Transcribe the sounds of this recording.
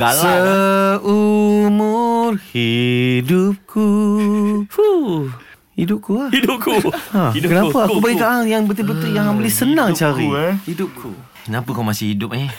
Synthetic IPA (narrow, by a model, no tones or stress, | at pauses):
ɡaə | umurhidʊp̚kʰu | u | hidʊp̚kuadp̚kuakənapaakubaɡikaʔaŋjaŋbət̪ibət̪ijaŋambəlɪhsənãŋt͡ʃaɾihidʊp̚kʰṵ | kənapəkawmasɪhidʊp̚e